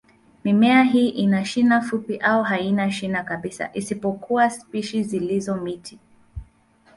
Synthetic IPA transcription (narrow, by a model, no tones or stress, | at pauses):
mimɛaɦiːʔinaʃinafupiʔaɔɦainaʃinakaɓisa̰ʔisipɔkuwaspiʃizilizɔmitʰi